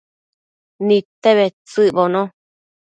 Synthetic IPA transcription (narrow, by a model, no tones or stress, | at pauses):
nĩt̪eβet͡sɨʔβonõ